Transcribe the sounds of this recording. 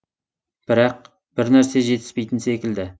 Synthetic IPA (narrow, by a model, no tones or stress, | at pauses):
b̥ɪɾɑq̚ | b̥ɪɾnæɾse̞ʒe̞t̪ɪ̥spe̞jt̪ɪnse̞kʲɪld̪ɪ